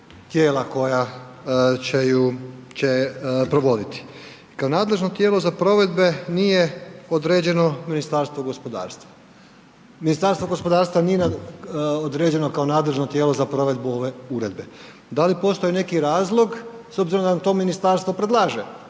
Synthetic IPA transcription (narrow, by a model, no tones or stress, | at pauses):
t̪jeːlako̞ja | t͡ɕejut͡ʃepɾoʋo̞d̪it̪i̥ | kao̞naːd̪le̞ʒnot̪je̞ːlo̞zapɾo̞ʋe̞d̪be̞nijeod̪ɾe̞ːd͡ʑe̞no̞minist̪aɾst̪ʋoɡo̞spo̞d̪a̰ːɾst̪ʋa | minist̪aɾst̪ʋo̞ɡo̞spo̞d̪aːɾst̪ʋanije̞na | od̪ɾed͡ʑe̞no̞kao̞naːd̪le̞ʒnot̪je̞ːlo̞zapɾo̞ʋe̞d̪̚buo̞ʋe̞uɾe̞d̪be | d̪alipo̞st̪o̞jine̞kiɾaːzlˠo̞ɡ | sobziɾomd̪anamt̪o̞ːminist̪aɾst̪ʋo̞pɾed̪lˠaːʒe